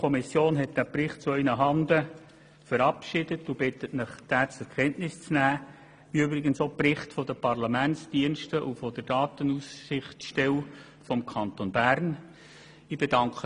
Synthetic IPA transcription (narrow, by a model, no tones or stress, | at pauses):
ɔmisjoːnɦɛt̚d̥æprɪχt̚t͡suœɪnəɦɑndə | fəɾɑpʃɪd̥ətʊb̥ɪtətnəχd̥æːt͡sɛɾkʰɛntnɪst͡snæː | iøbɾɪɡənsoprɪχtfɔdəpɑɾlɑmænsd̥iənʃtəʔufɔd̥əɾd̥ɑːtənussɪχtʃtɛw | fɔmkʰɑntonbæɾn | ib̥ed̥ɑŋkχə